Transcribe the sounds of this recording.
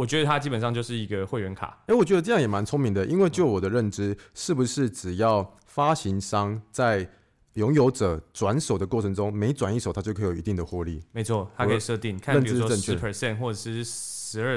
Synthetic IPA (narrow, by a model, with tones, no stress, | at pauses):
wɔ˨˩t͡ɕɥɛ˧˥d̪ə˧t̪ʰa˥t͡ɕi˥pə˨˩nʂ̬ɑ˥˧ŋt͡ɕjo˥˧ʊʂɻ̩˥˩i˧˦˥ɡə˧xwe˥˩ɪɥɛ˧˥nkʰa̰˨˩˦e˧˥wɔ˨˩t͡ɕɥɛ˧d̪ə˧ʈ͡ʂɤ˥˧jɑ˥˩ŋjɛ˨˩ma˧˦nt͡sʰʊ˥ŋmi˧˥ŋd̪ə˨ʔi˦˥nwe˥˧ɪt͡ɕjo˥˩ʊwɔ˨˩d̪ə˦ɻə˥˩nʈ͡ʂɻ̩˦ʂɻ̩˥˩bu˩ʂɻ̩˥˩ʈ͡ʂɻ̩˨˩jɑ˥˩ʊ | fa˥ɕi˧˥nʂɑ˥ŋt͡sa˥˩ɪ | ljʊ˧˦˥ŋjo˧˥ʊʈ͡ʂɤ˨˩ʈ͡ʂwa˧˦nʂo˨˩ʊd̪ə˦kwɔ˥˩ɤ˧˥ŋʈ͡ʂʊ˥˦ŋme˧˥ɪʈ͡ʂwa˨˩ni˥˩ʂo˨˩ʊt̪ʰa˥t͡ɕo˥˩ʊkʰi˧˥t̪i˥˩ŋd̪ə˩xwɔ˥˧lḭ˥˩me˧˦ɪt͡sʰwɔ˥˩t̪ʰa˥kʰe˧˨i˨˩ʂɤ˥˧t̪i˥˩ŋkʰa˥˨ə˥˨n˨uɻ̩˥˦˥ə˥˧nʰi˥˩pʰə˨˩sɛ˥˧nxwɔ˥˩ʈ͡ʂə˨˩ʂɻ̩˥˩ʂɻ̩˧˥ə˞˥˧˩